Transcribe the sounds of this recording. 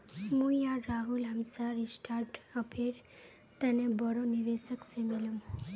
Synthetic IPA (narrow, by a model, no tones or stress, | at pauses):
mujaɾaɦulɦəmsaɾisʈʰaɾʈəpʰeɾ | t̪ənebəɾoniʋesəksemeləm